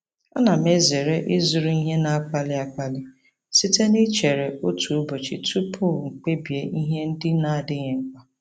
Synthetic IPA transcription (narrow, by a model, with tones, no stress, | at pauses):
a˦na˨m˦e˦ze˨ɾe˦ʔɪ˦zʊ˨ɾu˦i˦ɦe˦na˦a˦k͡pa˦lɪ˦a˦k͡pa˦lɪ˦ | si˦te˦nɪ˦t͡ʃe˨ɾe˨o˦tu˨u˦bo˨t͡ʃi˨tʰu˦pʰʊ˦˨ŋ͡m̩˨k͡pe˦bje˨i˦ɦe˦n̩˦dɪ˦na˦˨dɪ˦ɲe˨ŋ͡m̩˦k͡pa˦